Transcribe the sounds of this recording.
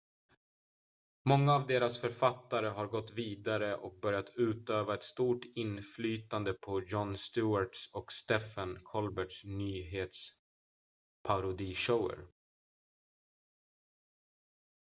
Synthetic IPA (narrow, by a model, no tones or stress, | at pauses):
mɔŋːaːvd̪eːɾasfœɾfat̪ːaɾəɦaɾɡɔt̪ːviːd̪aɾəʔɔk̚bœɾjat̪ʰʉ̟ːt̪øːvaɛt̪st̪uːʈɪnflyːt̪and̪əpʰɔjɔnst̪ʉːaʈsɔkst̪ɛfankʰɔlbɛʈʂnyːɦeːt̪s | pʰaɾʊd̪iːʂəʊə̰ɾ